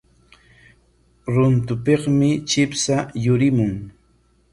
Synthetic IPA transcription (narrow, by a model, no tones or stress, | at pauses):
ɾʊnt̪ʊpeχmɪt͡ʃɪpsajʊɾɪmʊŋ